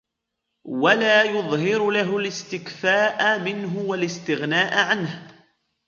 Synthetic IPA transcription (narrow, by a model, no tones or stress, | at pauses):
walaːjʊðˤhɪɾʊlaɦʊlɪst̪ɪkfaːʔamɪnɦʊwalɪst̪ɪɣnaːʔʕanh